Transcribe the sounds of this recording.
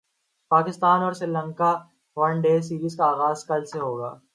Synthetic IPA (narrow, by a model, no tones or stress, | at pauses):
paːkɪst̪aːnɔːɾsɾɪlə̃ŋka | ʋɐɳɖeːs̬iːɾiːzkaaːɣaːzkɐlseɦoːɡa̰ː